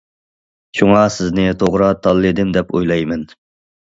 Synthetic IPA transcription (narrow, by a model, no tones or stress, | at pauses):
t͡ʃʰuŋɑsɪznɪt̪ʰoʁɾɑt̪ʰːɑlˠːɨd̪ɪmd̪ɛpojlˠɑjmɛn